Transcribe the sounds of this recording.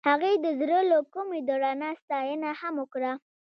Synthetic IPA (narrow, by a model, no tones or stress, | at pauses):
haɣejd̪əzɾəlokumed̪oɾɑnast̪ɑjənahamʊkɽa